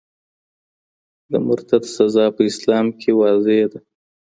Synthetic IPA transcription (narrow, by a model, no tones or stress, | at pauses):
d̪əmʊɾt̪ad̪sazɑːpəɪslɑːmkʰewɑːzed̪a